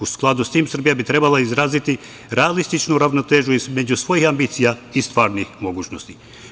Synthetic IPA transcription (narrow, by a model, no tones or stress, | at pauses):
usklˠad̪ust̪iːmsr̩bijabit̪ɾe̞balˠaizɾaːzit̪i | ɾealist̪it͡ʃnuɾaʋnot̪eːʒuizme̞d͡ʑusʋo̞jixambiːt̪sijaist̪ʋaːɾnixmo̞ɡuːt͡ɕno̞st̪i